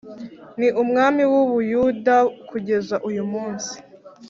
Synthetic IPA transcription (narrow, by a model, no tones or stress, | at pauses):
niʔumŋaːmiwuβujudakʰuɟe̞zaʔujumuːnsi̥